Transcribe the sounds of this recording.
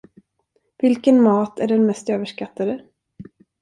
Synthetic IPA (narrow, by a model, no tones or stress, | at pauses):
vɪlkənmɑːt̪ʰæɖɛnmɛst̪øːvəʂkat̪ːad̪ə